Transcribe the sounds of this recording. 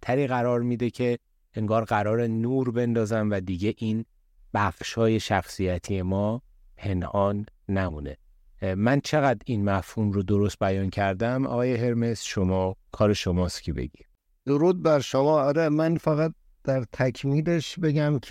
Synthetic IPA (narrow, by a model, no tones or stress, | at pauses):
t̪ʰæɾiːɣæɾɒːɾmid̪ecʰe̞ | eŋɡɒːɾɢæɾɒːɾenuːɾbe̞nd̪ɒːzæmvæd̪iɟe̞ʔiːn | b̥æfʃɒːje̞ʃæxsijæt̪ʰije̞mɒː | pʰe̞nʔɒːnːæmuːne̞ | mænt͡ʃʰe̞ɣæd̪inmæfhuːmɾod̪o̞ɾo̞st̪̚bæjɒːncʰæɾd̪æmʔɒ̰ɣɒːje̞ɦe̞ɾme̞sʃomɒːkʰɒːɾe̞ʃomɒːst̪cʲʰebḛɟid̪̥ | d̪̥o̞ɾuːd̪̚bæɾʃomɒːɒɾemænfæɣæt̪̚ | d̪̥æɾt̪ʰækʰmiːle̞ʃbe̞ɟæmkʰ